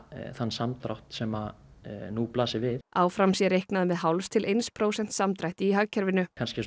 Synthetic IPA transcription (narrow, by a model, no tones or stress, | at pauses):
θanːsamt̪ɾa̰wht̪sɛmanuplaːsɪvɪðaːwfɾamsjɛɾejhknaðmɛðɦawlst̪ʰɪlʔejnspʰɾoːwsɛn̥t̪samt̪ɾajht̪ɪiɦaɣcʰɛɾvɪnʏkʰanscɪ